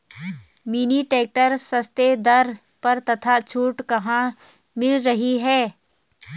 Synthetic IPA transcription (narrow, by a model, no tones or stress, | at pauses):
miːniʈeːk̚ʈəɾsɐst̪ed̪ɐɾ | pɐɾt̪ɐt̪ʰat͡ʃʰuːʈkɐɦã | mɪlɾɐɦiɦɛː